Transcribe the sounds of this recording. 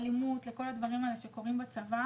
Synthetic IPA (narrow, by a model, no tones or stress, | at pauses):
limut̪le̞ko̞lad̪vaʁimaleʃeko̞ʁimbat͡sava